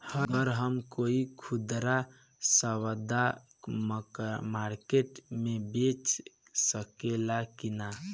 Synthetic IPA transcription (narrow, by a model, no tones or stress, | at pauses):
həəɾɦəmkoikʰud̪ɾa | səwəd̪a | mmaɾkeʈmebet͡ʃ | səkelakina